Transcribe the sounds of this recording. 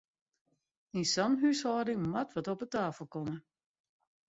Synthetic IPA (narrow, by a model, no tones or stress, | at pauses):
insɔnɦyshɔːdɪŋmatʋɔtɔpətaːfəlˠkɔmə